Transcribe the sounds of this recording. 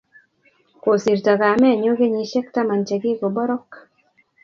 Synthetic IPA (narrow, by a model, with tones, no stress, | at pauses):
ko˨si˨ɾta˨ka˨mɛ˦˨ɲo˦ɡe˦ɲi˨ʃɛ˦kta˦ma˨nt͡ʃe˨ɡɪ˦ko˨bɔ˦ɾɔ˦k